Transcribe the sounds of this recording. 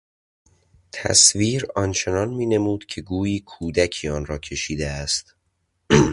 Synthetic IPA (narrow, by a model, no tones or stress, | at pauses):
t̪ʰæ̰sviːɾɒːnt͡ʃʰe̞nɒːnmiːne̞muːd̪̥cʰe̞ɡuːjiːkʰuːd̪æcʰiːɒːnɾɒːcʰe̞ʃiːd̪eæst̪